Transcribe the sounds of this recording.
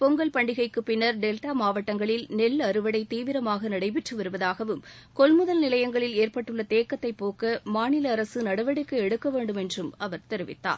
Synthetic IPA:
pɔŋɡɐlpɐɳɖɪɣɐɪkːɯpɪnːɐɾɖɛlʈaːmaːʋɐʈːɐŋɡɐɭɪlnɛlːɐɾɯʋɐɽɐɪt̪iːʋɪɾɐmaːɣɐnɐɽɐɪpɪʈrɯʋɐɾɯʋɐðaːɣɐʋɯm | kɔlmɯðɐlnɪlɐjɐŋɡɐɭɪleːɾpɐʈːɯɭːɐt̪eːkːɐt̪ːɐɪpːoːkɐmaːnɪlɐːɾɐsɯnɐɽɐʋɐɽɪkːɯɛɽɯkːɐʋeːɳɖɯmɛndrɯmɐʋɐɾt̪ɛɾɯʋɪ̰t̪ːa̰ːɾ

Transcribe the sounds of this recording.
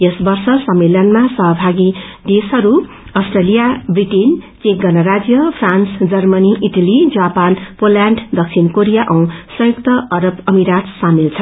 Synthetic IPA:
jʌsbʌrsʌsʌmːilʌnmasʌɦʌbʱaɡid̪esɦʌɾu | ʌsʈrelijabriʈint͡sek̚ɡʌnʌɾad͡zjʌpʰransd͡zʌrmʌniʔiʈalid͡zapanpoljaɳɖd̪ʌk̚t͡sʰinkoɾijaʔʌw̃sʌ̃juk̚t̪ʌʔʌɾʌbʌmiɾat̪samilt͡sʰʌ

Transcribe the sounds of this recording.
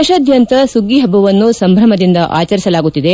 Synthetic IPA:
ɐʃɐd̪jɐnt̪ɐsuɡiɦɐbɐʋɐnːusɐmbʱɾɐmɐd̪ind̪ɐʔaːt͡ʃɐɾisɐlaːɡut̪ːid̪e

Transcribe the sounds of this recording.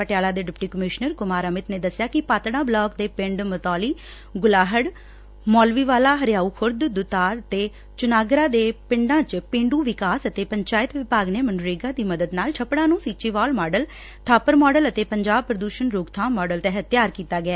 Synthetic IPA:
əʈjaːlaːd̪eːɖɪpʈiːkəmɪʃnəɾkʊmaːɾəmɪt̪neːd̪əsjaːkɪpaːt̪ɽãːblɔːkd̪eːpɪ̃ɳɖmət̪ɔːliː | ɡʊlaːɦəɽ | mɔːlʋiːʋaːlaːɦəɾjaːuːkʰʊɾd̪d̪ʊt̪aːɾət̪eː | t͡ʃʊnaːɡɾãːd̪eːpɪɳɖãːt͡ʃpɪ̃ɳɖuːʋɪkaːsət̪eːpəɲt͡ʃaːɪt̪ʋɪpaːɡneːmənɾeːɡãːd̪iːməd̪əd̪naːlt͡ʃʰəpɽãːnũːsiːt͡ʃiːʋaːlmɔːɖəl | t̪ʰaːpəɾmɔːɖələt̪eːpəɲd͡ʒaːb̚pɾəd̪uːʃənɾoːɡt̪ʰãːmɔːɖəlt̪eːɦət̪jaːɾkiːt̪aːɡɪɛː

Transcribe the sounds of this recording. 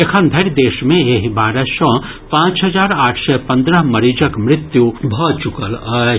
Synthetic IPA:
ekʰənd̪ʱɐɾd̪eːʃmẽeːɦbaːɾəʃɔ̃ː | pãːt͡ʃɦɐd͡ʒaːɾaːʈʰsɛpɐ̃nd̪ɾəɦmɐɾiːd͡ʒəkmɾɪt̪jubʱɔt͡ʃʊkələ

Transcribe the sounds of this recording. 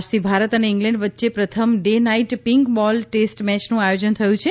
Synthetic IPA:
d͡ʒt̪ʰibʱaɾət̪əneɪŋɡlɛ̃ɳɖʋət̪ːʃepɾət̪ʰəmɖenaiʈpiŋkbɔlʈesʈmɛt͡ʃnũajod͡ʒənt̪ʰəjũt͡ʃʰe

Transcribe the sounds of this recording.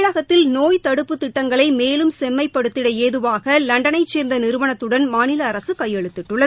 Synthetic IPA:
ɭɐɣɐt̪ːɪlnoːjt̪ɐɽɯpːɯt̪ːɪʈːɐŋɡɐɭɐɪmeːlɯmsɛmːɐɪpːɐɽɯt̪ːɪɽɐeːðɯʋaːɣɐlɐɳɖɐnɐɪt͡ʃːeːɾnd̪ɐnɪɾɯʋɐnɐt̪ːɯɽɐnmaːnɪlɐːɾɐsɯkɐjːɛɭɯt̪ːɪʈːɯɭːɐ

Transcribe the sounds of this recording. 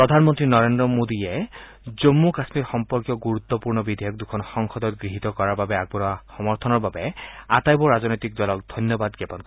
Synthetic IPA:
pɔd̪ʱanmɔnt̪ɾinɔɾend̪ɾɔmod̪ie | d͡ʒomːukasmiɾxɔmpɔɾkijɔɡuɾut̪ːɔpuɹnɔbid̪ʱjɔk̚d̪ukʰɔnxɔŋxʰɔd̪ɔt̪̚ɡɹiɦit̪ɔkɔɹaɾbabeaɡ̚bɔɾɔaxɔmɔɾt̪ʰɔnɔɹbabeat̪ajbɔɹazɔnɔjt̪ik̚d̪ɔlɔk̚d̪ʱɔnjɔbad̪ɡepɔnk

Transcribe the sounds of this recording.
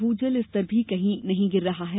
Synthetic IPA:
ɦuːd͡ʒəlɪst̪ɐɾbʱikɐɦĩnɐɦĩɡɪɾːɐɦaɦɛː

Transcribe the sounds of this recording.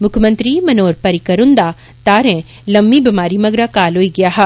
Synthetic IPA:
mʊkʰjmɐ̃nt̪ɾimɐnoːɾpɐɾikɐɾʊ̃nd̪a | t̪aːɾɛ̃ | lɐmːibɐmaːɾimɐɡɾakaːloːiɡɐjaːɦɛ

